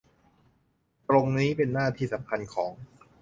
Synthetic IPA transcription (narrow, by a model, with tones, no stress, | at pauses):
t̪ɾo˧ŋniː˦˥pe˧nːaː˥˩t̪ʰiː˥˩sa˩˦mkʰa˧nkʰɔː˩˦ŋ